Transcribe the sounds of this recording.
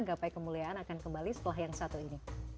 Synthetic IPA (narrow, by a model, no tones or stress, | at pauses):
ɡapajkəmuliaʔanakankəmbalisə̥t̪əlaɦjaŋsat̪uini